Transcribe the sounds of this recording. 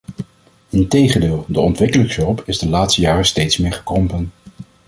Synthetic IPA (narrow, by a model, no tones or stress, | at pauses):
ɪntejχəndɪːlˠdəɔntʋɪkələksɔpɪzdəlaːtstəjaːrəstejtsmɪːɹχə̥krɔmpən